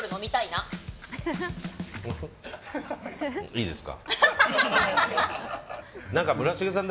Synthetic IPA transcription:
ɾɯ̟no̞mʲit̪aina | iːd̪esɨ̥ka̰ | nãŋkamɯ̟ɾaɕiɡesãnd̪

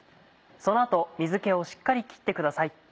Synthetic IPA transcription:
so̞no̞at̪o̞mʲizɨke̞o̞ɕi̥kːaɾʲikʲi̥t̪ːe̞kɯ̟d̪asai

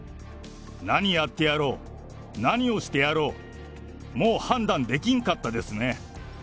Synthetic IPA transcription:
naɲ̟ijat̪ːe̞jaɾo̞ː | naɲ̟io̞ɕi̥t̪e̞jaɾo̞ː | moːhãnd̪ãnd̪e̞kʲĩŋkat̪ːad̪e̞sɨne̞

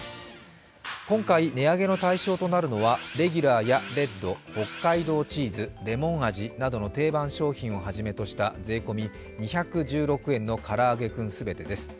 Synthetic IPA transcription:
kõ̞ŋkaine̞aɡe̞no̞t̪aiɕo̞ːt̪o̞naɾɯ̟no̞βaɾe̞ɡʲyɾaːjaɾe̞d̪o̞ho̞kːaid̪o̞ːt͡ɕiːzɨɾe̞mõ̞ɰaʑinad̪o̞no̞t̪e̞ːbãɰ̃ɕo̞ːçĩɰ̃o̞ɦaʑime̞t̪o̞ɕi̥t̪ad͡ze̞ːko̞mʲi | ɲ̟içakɯ̟ʑɨːɾo̞kɯ̟ẽ̞nːo̞kʰaɾaːɡe̞kɯ̟̃ɰ̃sɨbe̞t̪e̞d̪e̞sɨ̥

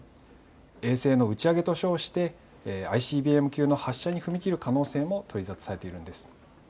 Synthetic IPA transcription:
e̞ːse̞ːno̞ɯ̟t͡ɕiaɡe̞t̪o̞ɕo̞ːɕi̥t̪e̞ | aiɕiːbʲiːe̞mɯ̟kʲɨːno̞haɕːaɲ̟iɸɯ̟mʲikʲiɾɯ̟kano̞ːse̞ːmo̞t̪ʰo̞ɾʲizat͡sɨ̥saɾe̞t̪e̞iɾɯ̟̃nd̪e̞sɨ̥

